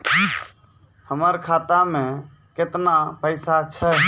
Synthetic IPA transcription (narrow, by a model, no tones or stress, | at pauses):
həməɾkʰat̪amẽ | ket̪napəɪsat͡ʃʰə